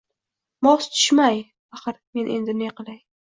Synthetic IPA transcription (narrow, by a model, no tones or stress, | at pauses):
mɒst̪ʰʊ̥ʃmaj | aχɨɾme̞nʔe̞nd̪ɪneqʰɨlaj